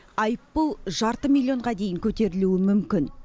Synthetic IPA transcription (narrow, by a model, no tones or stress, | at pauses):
ɑjəpːəlˠʒɑɾt̪əmilʲːˠijo̞ɴʁɑd̪e̞jɪŋkʲʰɵt̪e̞ɾɪluɪmʏmkʲɪn